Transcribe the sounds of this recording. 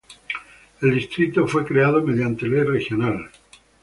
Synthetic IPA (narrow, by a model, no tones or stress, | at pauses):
e̞ld̪ist̪ɾit̪o̞fwe̞kɾe̞aðome̞ðjant̪e̞lerexjonal